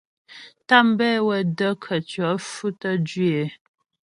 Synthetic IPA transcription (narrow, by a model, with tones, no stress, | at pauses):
ta˦m̩˦bɛ˦wɛ˨də˦kʰə˨t͡ʃɥɔ˨˦fʉ˦tə˦d͡ʒɥe˨